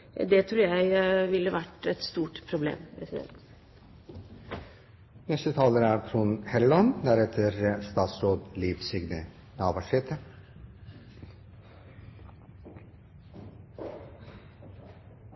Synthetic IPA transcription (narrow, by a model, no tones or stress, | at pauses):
d̪ɛt̪ʰɾuːjæɪʋɪlːəʋæʈɛt̪st̪uːʈpʰɾʊblḛːmpʰɾɛsɪd̪ɛ̰nt̪ | nɛst̪ət̪ʰɑːləɾæːɾkʰɾunhɛɾlɔnd̪æɾɛt̪ʰəɾst̪ɑːt̪sɾoːd̪liːʋsɪɡnə | nɑːʋɑʂɛːt̪ʰə